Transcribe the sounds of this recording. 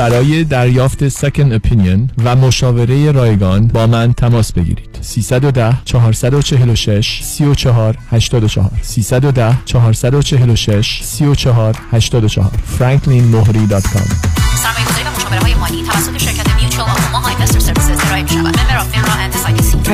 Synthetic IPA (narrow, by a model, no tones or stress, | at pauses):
b̥æɾɒːje̞d̪æɾjɒːft̪e̞sekʰend̪opʰinijonvæmo̞ʃɒːve̞ɾe̞je̞ɾɒːje̞ɡɒːnbɒːmænt̪ʰæmɒːsbe̞ɡḭːɾiːd̪̥siːsæd̪o̞d̪æht͡ʃʰɒɦɒːɾsæd̪o̞t͡ʃʰe̞ɦe̞lo̞ʃe̞ʃsiːot͡ʃʰɒɦɒːɾhæʃt̪ɒːd̪o̞t͡ʃʰɒ̰ɦɒ̰ːɾsiːsæd̪o̞d̪æht͡ʃʰɒɦɒːɾsæd̪ot͡ʃʰeɦe̞lo̞ʃe̞ʃsiːot͡ʃʰɒɦɒːɾhæʃt̪ɒːd̪o̞t͡ʃʰɒ̰hɒ̰ːɾfɾæŋkʰlinmoɦɾiːd̪ɒːd̪̥kʰɒ̰msæɾmɒːjeɡozɒɾivæmoʃɒːveɾeɒːjemɒːniːt̪ʰævæsːot̪eʃeɾkʰæt̪ʰemijut͡ʃʰuomɒmɑjmest̪eɾseɾvisezeɾɒːʔemiʃæ̰væ̰d̪beɾɒeɾɒhænd̪esɒːjes